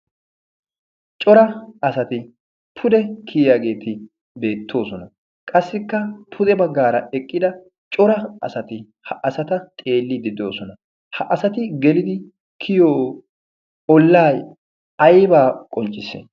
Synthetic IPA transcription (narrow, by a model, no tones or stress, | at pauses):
t͡ʃʼɔɾɐɐsɐt̪ɪ | pʰʊd̪ɛkʰiːjaːɡe̞ːt̪ɪ | be̞ːt̪ʰːo̞ːsɔnɐ | kʼɐsːɪkːɐpʰʊd̪ɛbɐɡːaːɾɐɛkʼːɪd̪ɐ | t͡ʃʼɔɾɐɐ̰sɐt̪ɪ | hɐʔɐsɐt̪ɐt̪ʼe̞ːlːɪd̪ɪd̪o̞ːsɔnɐ | hɐʔɐsɐt̪ɪɡɛlɪd̪ɪ | kʰɪjoː | ɔlːaːj | ɐjbaːkʼɔnt͡ʃʼːɪsɛ̰